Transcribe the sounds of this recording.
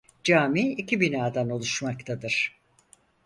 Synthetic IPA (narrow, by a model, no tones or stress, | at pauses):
d͡ʒaːmiːicʰibinaːd̪ano̞lˠuʃmakt̪ʰad̪ɯɾ̥